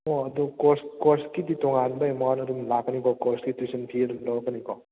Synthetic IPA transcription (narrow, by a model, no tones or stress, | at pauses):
oɐdukoɾskoɾskiditoŋanbɐemanɐdumlakənikɔkoɾskitisɐnpʰiɐdumlowkɐnikɔ